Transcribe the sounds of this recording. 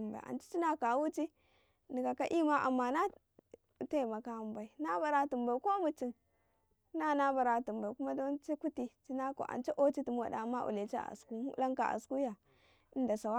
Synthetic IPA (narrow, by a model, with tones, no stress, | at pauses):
mba̰˨a̰˨nt͡ʃi̥˦t͡ʃi˦na˦ka˨˦wu˦t͡ʃi˦ | ni˨ka˨ka̰˦ʔi˦ma˦ʔa̰˨mːa˨na˦˨ | te˦˨ma˨ka˦˨m˦ba˨i˨na˦ba˨ɾa˨tu˨mba˨i˨ko˦mu˨t͡ʃi˨˦ | na˦na˦ba˨ɾa˨tu˨mba˨i˨ku˦ma˦do˦nt͡ʃi˦ku˦ti˨t͡ʃi˦na˦ko̰˨ʔa̰˨nt͡ʃa˦ʔo˦t͡ʃi˦ti˨m˦wa̰˨da˨˦mːa˦ʔṵ˨le˨t͡ʃa˦a̰˨sku˦mṵ˦la˦ŋka˨ʔa̰˨sku˦ja˨ | i˦n˦da˨sa˨wa˦